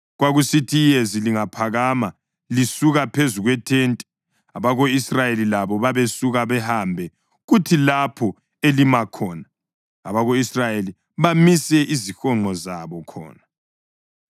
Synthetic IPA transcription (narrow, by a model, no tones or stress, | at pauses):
ɣwaɣusitʰijeziliŋapʰaɣama | lisuɣapʰezuɣwɛtʰeːntʼɛ̥ | aβaɣoisrajelilaβɔβaβesuɣaβɛhambʱɛ | ɣutʰilapʰɔ | elimakʰɔːna | a̰βaɣoisrajeli | βamisɛʔizixɔŋ͡ǃʱɔzaβɔkʰɔ̰ːna